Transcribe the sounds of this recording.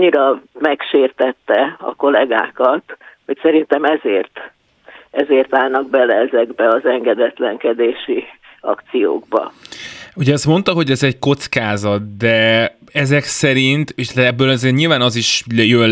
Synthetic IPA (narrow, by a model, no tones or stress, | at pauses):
ɲːiɾɒmɛkʃeːrt̪ɛt̪ːɛɒ̰ko̞lɛɡa̰ːkɒt̪ho̞csɛɾint̪ɛmɛzeːrt̪ | ɛzeːrt̪aːlnɒɡ̚bɛlɛɛzɛɡbɛɒzɛŋɡɛd̪ɛt̪lɛŋkɛd̪eːʃi | ɒ̰kt̪sijo̰ːɡ̚bɒ̰ | uɟɛɛst̪mo̞nt̪ɒɦo̞ɟɛzɛɟko̞t̪skaːzɒt̪̚d̪ɛ | ɛzɛksɛɾint̪eʃt̪ɛbːøːlɒzeːrɲiːlvaːnɒziʃjøl